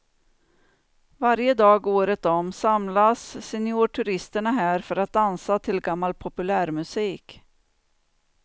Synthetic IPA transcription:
vaɾjəd̪ɑːɡoːɾət̪ɔmsamlasːɛnɪuːʈʰɵɾɪst̪əɳaɦæːɾfœɾat̪̚d̪ansat̪ʰɪlɡamːalpʰɔpɵlæːɾmɵsiːk

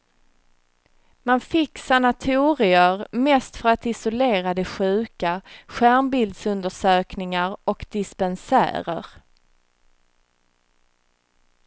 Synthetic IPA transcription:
manfɪksanat̪ʰuːɾɪəɾmɛːst̪fœɾat̪ɪsʊleːɾad̪ɛɧʉ̟ːkaɧæɾmbɪld̪sɵnd̪əʂøːknɪŋaɾɔkd̪̥ɪspɛnsæ̰ːɾə̰ɾ

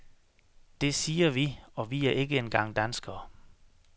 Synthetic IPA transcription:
d̥e̝siːɐʋiɒ̽ʋiæɐʔe̝ɡ̥əenɡ̥ɑ̈ŋ̰d̥ænsɡ̥ɐː

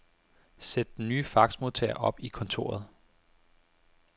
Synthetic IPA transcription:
sed̥denyːfɑ̈ɡ̥smo̝ðˠt͡sʰɛ̰ɐʔɒ̽b̥ikʰɔ̽nt͡sʰo̝ːɐð̞̩ˠ

